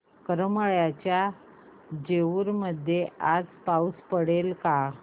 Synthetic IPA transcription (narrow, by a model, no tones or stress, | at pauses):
kəɾəməɭjat͡ɕja | d͡ʑeʋuɾməd̪ʱːjead͡zpauspəɽelka